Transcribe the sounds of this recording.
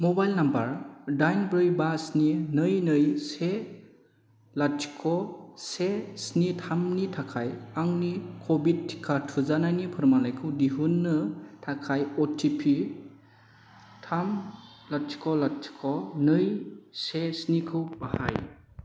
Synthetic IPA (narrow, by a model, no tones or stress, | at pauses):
mɔbajlnambaɾdajnbɾɯjbasninɯjnɯjse | lati̥kʰɔsesnitʰamnitʰakʰajaŋnikʰobid̚tʰːi̥kʰːatʰuzanajnipʰɯɾmalajkʰɯwdiɦunːɯtʰakʰajɔtʰipʰi | tʰam | lati̥kʰɔlatʰi̥kʰɔnɯjsesnikʰɯwbaha̰j